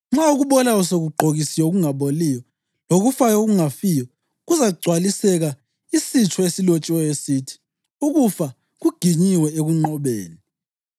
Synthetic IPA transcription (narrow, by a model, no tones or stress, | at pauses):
ŋ͡ǁauɣuβɔlauseɣuɡ͡ǃʱoɣisijoɣuŋaβolijɔ | loɣufajoɣuŋafijɔ | ɣuzaɣuɡ͡ǀʱwalisɛɣa | isit͡ʃʰɔesilot͡ʃʼiwɛesitʰi̥ | uɣufa | ɣuɡ̥ʱiɲiwɛeɣuŋ͡ǃɔβḛːni